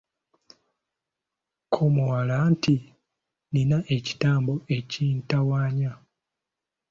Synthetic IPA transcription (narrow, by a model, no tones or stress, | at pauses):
kʰomowalanti | ninaʔeci̥taːmboe̞cintawaːɲa